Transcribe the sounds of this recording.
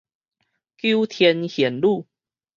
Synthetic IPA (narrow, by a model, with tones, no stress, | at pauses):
kju˦t̪ʰjɛ˧nhjɛ˨˩nlu˥˨